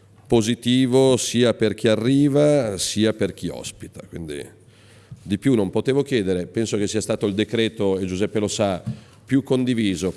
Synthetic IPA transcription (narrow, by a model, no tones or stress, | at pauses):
pozit̪iːvosiːaperk̟iarːiːvasiːaperk̟iɔ̰spi̥t̪ḁkwḭnd̪ḭ | d̪ipjunːompot̪eːvok̟jɛːd̪eɾepɛnsok̟esiast̪aːt̪oild̪ekɾeːt̪oed͡ʒuzɛpːelosa | pjukːond̪iviːzo